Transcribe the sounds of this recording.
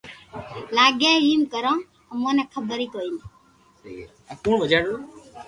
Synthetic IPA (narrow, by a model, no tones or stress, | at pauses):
laːɡeːɦiːmkəɾõː | mõːnɛːkʰəbəɾiːt̪oːiːn | aːkuːɳʋəd͡ʒaːɽo